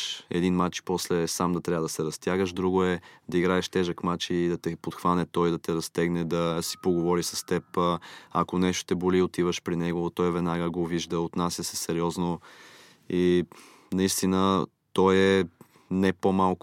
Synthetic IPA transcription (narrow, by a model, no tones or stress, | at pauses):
ɛ̰d̪inmat͡ʃpɔslɛsamd̪ɐt̪ɾʲabəd̪ɐsɛɾɐst̪jaɡəʃd̪ɾuɡʊɛd̪ɐiɡɾaɛʃt̪ɛʒəkmat͡ʃiːd̪ɐt̪ɛpot̪xvanɛt̪ɔjd̪ɐt̪ɛɾɐst̪ɛɡnɛd̪ɐsi̥poɡovɔɾisɐst̪ɛpɐkonɛʃt̪o̥t̪ɛboliot̪ivəʃpɾinɛɡot̪ɔjvɛd̪naɡəɡoviʒd̪əot̪nasʲjəsɛsɛɾiɔzno | i | nɐist̪inə | t̪ɔjɛ | nɛpomalˠk